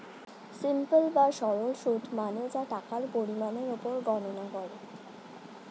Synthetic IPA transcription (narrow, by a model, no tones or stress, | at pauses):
simpelbaʃɔɾolʃuʈmaned͡ʑaʈakaɾpoɾimaneɾopoɾɡɔnonakɔɾe